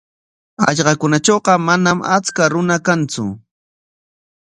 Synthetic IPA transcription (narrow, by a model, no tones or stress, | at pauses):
ɑ̰ʎɢɑkʊnat͡ʃoːɢɑmanamat͡skaɾʊnakant͡sʊ̰